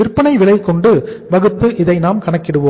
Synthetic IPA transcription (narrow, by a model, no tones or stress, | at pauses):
ɪɾpːɐɳɐɪʋɪɭɐɪkːɔɳɖɯʋɐɣɯt̪ːɯʔɪðɐɪnaːmkɐɳɐkːɪɽɯʋoː